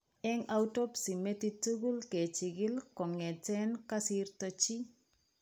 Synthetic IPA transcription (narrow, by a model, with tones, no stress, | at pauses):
ɛ˦ŋa˦u˦to˦psi˨me˦ti˦tu˦ɡu˦lke˨t͡ʃɪ˨ɡɪ˦lkɔ˨ŋɛ˨tɛ˦nka˦si˦rto˦t͡ʃi˦